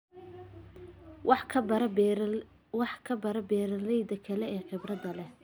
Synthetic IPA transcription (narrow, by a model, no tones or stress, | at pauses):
wɑħkʰɐbɐɾɐbɛːɾɐlɛjd̪ɐkʰɐlɛɛːqɪbrɐd̪ɐlɛ